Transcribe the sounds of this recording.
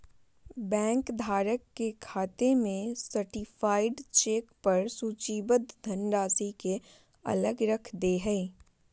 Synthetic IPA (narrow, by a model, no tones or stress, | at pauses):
bɛ̃ːŋkd̪ʱaːɾəkːekʰaːt̪emẽsəɾʈifaːɪɖt͡ʃeːkpɐɾsuːt͡ʃiːbət̪̚d̪ʱɐ̃nɖaːsike | ɐ̰ləɡɾəkʰd̪eɦɛ̃ː